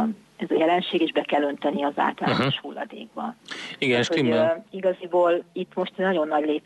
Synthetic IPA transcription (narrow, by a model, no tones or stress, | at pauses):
n | ɛzɒjɛlɛnʃeːɡeːʒbɛkɛlːø̞nt̪ɛniɒza̰ːlt̪ɒlːoʃhulːɒ̰d̪ḛːɡ̚bɒ̰iɡɛɛt̪hoiɡɒziboːlit̪ːmo̞ʃt̪ɛnɒɟo̞nːɒɟleːp